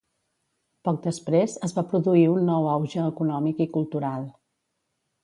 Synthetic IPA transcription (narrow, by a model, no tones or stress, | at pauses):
pɔk̚d̪əspɾezəzβapɾuðuiunːɔwawʒəːkunɔmikikulˠt̪uɾalˠ